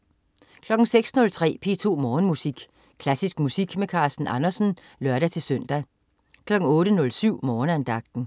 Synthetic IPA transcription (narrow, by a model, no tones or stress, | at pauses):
kʰlɒ̽ɡ̥ŋ̩seɡ̥snɔ̽lt͡sʰʁɛ̰ːpʰe̝ːt͡sʰo̝̰ːmɒːnmusiɡ̥ | kʰlæsisɡ̥musiɡ̥mekʰɑ̈ːsd̥n̩ʔɑnɐsn̩ | lœɐɾæt͡sʰe̝lsœn̰d̥æ | kʰlɒ̽ɡ̥ŋ̩ɔ̽ːɾənɔ̽lsyʊ̰mɒːnænd̥ɑ̈ɡ̥̚d̥n̩